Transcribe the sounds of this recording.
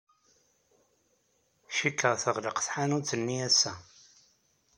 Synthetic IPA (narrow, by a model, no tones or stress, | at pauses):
ʃikːəʁθəʁləqθħanut͡sːənːiæsːæ